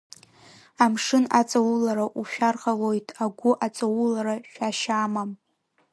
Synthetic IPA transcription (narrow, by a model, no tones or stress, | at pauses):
amʂɨna̰t͡sʼawulaɾaʔuʃᶣarχalojtʼʰaɡʷʊʔat͡sʼawulaɾaʃᶣaʃaːmam